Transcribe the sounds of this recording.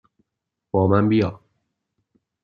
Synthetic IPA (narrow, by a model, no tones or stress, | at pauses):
b̥ɒːmænbijɒː